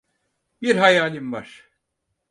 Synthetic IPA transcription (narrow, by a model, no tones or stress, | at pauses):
biɾɦajaːlʲimvaɾ̥